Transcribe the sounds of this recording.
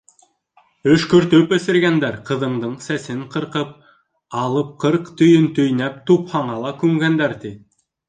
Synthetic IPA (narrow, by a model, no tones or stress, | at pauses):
ɵʃkɵɾt̪ɵpɘ̆sɘ̆ɾɡænd̪æɾqɤ̆ðɤ̆ɴd̪ɤɴsæsɘɴqɤ̆ɾqɤp̚ | ɑlˠɤp̚qʰɤɾqt̪ɵ̆jɵnt̪ɵ̆jnæp̚t̪uphɑɴɑlˠɑkʉŋɡænd̪æɾt̪i